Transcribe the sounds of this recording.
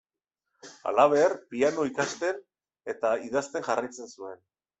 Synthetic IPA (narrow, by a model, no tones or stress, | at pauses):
a̰laβ̞e̞rpiano̞ikast̪e̞n | e̞t̪aiðast̪e̞ŋʝarajt͡se̞nsue̞n